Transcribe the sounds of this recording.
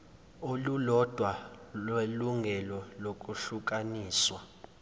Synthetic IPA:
olulɔd̥ʱwalweluŋɡʱɛlɔlok̬ʼuɬuk̬ʼaniːswa

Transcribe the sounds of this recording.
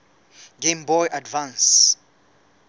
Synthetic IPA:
ɡʱembɔjʔadvãns

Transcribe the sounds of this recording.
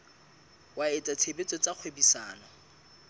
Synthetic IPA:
waet͡sʼat͡sʰebet͡sʼɔt͡sʼak͡xʰwebisaːnɔ

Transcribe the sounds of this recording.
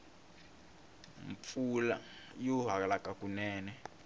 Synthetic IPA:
ɱfula̰juɦakalakʼakʼunɛːnɛ

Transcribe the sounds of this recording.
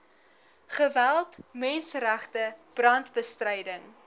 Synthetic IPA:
χəvælˠtmɛnsəɾæχtəb̥rɐntbəstrəjdəŋ

